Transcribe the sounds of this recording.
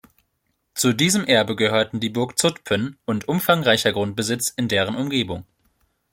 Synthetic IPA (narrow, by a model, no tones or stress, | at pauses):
t͡sudiːzəmʔɛɐbəɡəhøːɐtn̩diːbʊɐkt͡sʊtpʰənʔʊntʔʊmfaŋʁaɪçɐɡʁʊnt̚b̥əzɪt͡sɪndeːʁ̞ənʊmɡeːbʊŋ